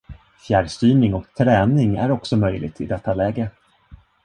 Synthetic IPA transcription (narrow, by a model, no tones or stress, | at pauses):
fjæɖst̪yːnɪŋɔkt̪ʰɾɛːnɪŋæ̰ɾɔksɔmœjlɪ̰ɡ̚t̪ʰɪ̰d̪ɛt̪ʰːalɛːɡə